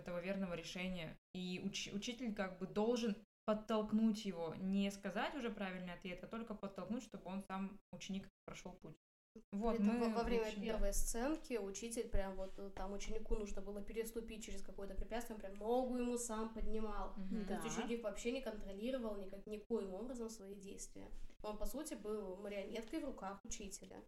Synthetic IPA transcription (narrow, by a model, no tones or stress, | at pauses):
ɛt̪əvəvʲe̞rnəvəɾʲɪʂɛnʲɪjəiʊt͡ɕʊt͡ɕitʲɪlʲkaɡ̚bɨd̪o̞lˠʐɨnpət̪ːɐlˠknutʲjɪvo̞nʲɪskɐzatʲʊʐɛpɾavʲɪlʲnɨjɐt̪vʲet̪ɐt̪o̞lʲkəpət̪ːɐlˠknutʲʂt̪o̞bɨo̞nsamʊt͡ɕɪnʲikpɾɐʂo̞lˠputʲ | vo̞t̪mɨvɐvɾʲemʲəpʲervəjst̪sɛnkʲɪʊt͡ɕitʲɪlʲpɾʲamvo̞t̪ːamʊt͡ɕɪnʲɪkunuʐnəbɨlˠəpʲɪɾʲɪst̪ʊpʲit̚ʲt͡ɕːɪɾʲɪskɐko̞jət̪əpɾʲɪpʲæt̪st̪ʲjopɾʲamno̞ɡʊjɪmusampədʲnʲɪmalˠt̪ostʲʊt͡ɕːɪnʲikvɐpɕːenʲɪkənt̪ɾɐlʲiɾəvəlˠnʲɪkaknʲɪkojɪmo̞bɾəzəmsvɐidʲejst̪vʲɪ̰jə̰o̞npɐsutʲɪbɨlˠməɾʲɪɐmʲet̪kəjvrʊkaxʊt͡ɕitʲɪlʲə̰